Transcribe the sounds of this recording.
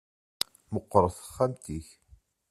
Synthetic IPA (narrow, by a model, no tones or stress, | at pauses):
məqːɾˤəθə̥χːamt̪iç